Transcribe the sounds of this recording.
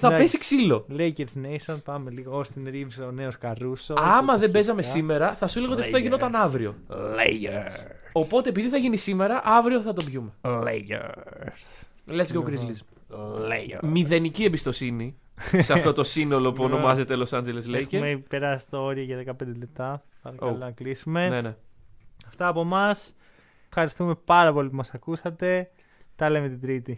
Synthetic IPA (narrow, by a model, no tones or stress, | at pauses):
θɐpesiksilo̞lejceɾsnejsonpɐmeliɣoost̪inɾivzeoneoskɐɾusoɐmɐðe̞be̞zɐme̞sime̞ɾɐθɐsuleɣot̪iɐfoɐʝinot̪ɐnɐvɾiolḛj | opo̞t̪e̞ːpiðiθɐʝinisime̞ɾɐʔɐvɾioθɐt̪ovʝume̞lḛjḛs | lescɐokɾizlizm | lḛj̰miðe̞niciebist̪o̞sini | seɐft̪o̞t̪o̞sino̞lo̞puono̞mɐze̞t̪elo̞sɐnd͡ʒelesleʝemepeɾɐsit̪ɐo̞ɾiɐʝɐðe̞kɐpend̪ele̞p̚t̪ɐpɐɾɐɐlonɐklisume̞neneɐft̪ɐːpo̞mɐs | fxɐɾist̪ume̞pɐɾɐpo̞lip̬umɐsɐkusɐt̪e̞ | t̪ɐlemet̪id̪ɾit̪i